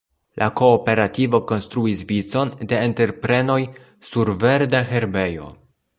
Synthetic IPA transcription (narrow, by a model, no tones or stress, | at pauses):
lʔako̞ːpe̞ɾativo̞ko̞nst̪ɾuisvit͡so̞nde̞ːnte̞ɾpɾe̞no̞j | suɾve̞ɾdaɦe̞ɾbe̞jo̞̰